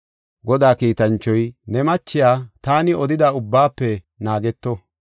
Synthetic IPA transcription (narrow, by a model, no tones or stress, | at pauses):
ɡɔd̪aːkiːt̪ɐnt͡ʃːɔjnɛmɐt͡ʃːɪjaːt̪aːnɪɔd̪ɪd̪aːʊbːaːpːɛ | naːɡɛt̪ːɔ